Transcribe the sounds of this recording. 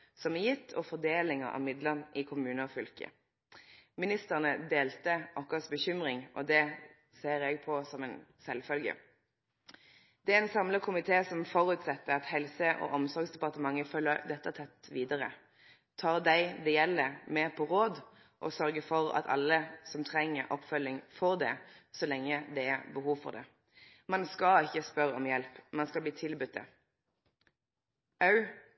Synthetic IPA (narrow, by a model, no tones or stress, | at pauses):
sɔmɛjɪt̪ːʰɔfɔd̪eːlɪŋə̰ʔɑ̰mɪd̪ləʁnʔɪkʰʊmʉːnəɔfʏlkə̰ | mɪnɪst̪əʁnəd̪eːlt̪əʔɔkəsbəçʏmʁɪŋʔɔd̪ɛ | seːɾɛɡpʰɔsɔmɛnsɛlfœlɡə̰ | d̪̥ɛæɛnsɑmləkʰʊmɪt̪ʰeːsɔmfɔʁʉːt̪sɑt̪ːəɑt̪hɛlsəʔɔ̰ʔɔmsɔɾɡsd̪ɛpɑʁt̪əmɑŋːəfœlːəd̪ɛt̪ːət̪ʰɛt̪ːʋiːd̪əʁə̰ | t̪ʰɑːʁd̪æɪd̪ɛjɛlːəmeːpʰɔʁoːd̪ | ʔɔ̰sœʁɡəfɔʁɑ̰t̪ʰɑ̰lːəsɔmt̪ʰʁɛŋːəɾʔɔ̰pfœlːɪŋfɔʁd̪ɛ̰sɔlɛŋːəd̪ɛæbəɦuːʋfɔ̰ʁd̪ɛ̰ | mɑnskɑɪçːəspœɾəɔmjɛlpmɑnskɑlbliːt̪ʰɪlbʉt̪ːə̰ | ɑʉ